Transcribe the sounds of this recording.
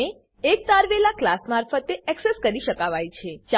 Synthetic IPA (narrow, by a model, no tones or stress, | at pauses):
e | ek̚t̪aɾʋelaklasmaɾfət̪eɛkseskəɾiʃəkaʋajt͡ʃʰet͡ʃ